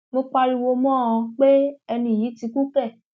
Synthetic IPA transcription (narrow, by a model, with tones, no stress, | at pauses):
mo˧k͡pa˧ɾi˧wo˧mɔ̃˦˨ɔ̃˧k͡pe˦ɛ˧nĩ˦˨ji˨˦ti˧ku˦kɛ˦˨